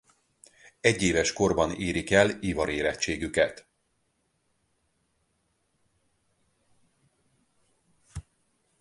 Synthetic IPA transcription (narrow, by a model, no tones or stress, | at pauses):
ɛɟːeːvɛʃko̞rbɒneːɾikɛlivɒɾeːɾɛtt͡ʃːeːɡykɛt̪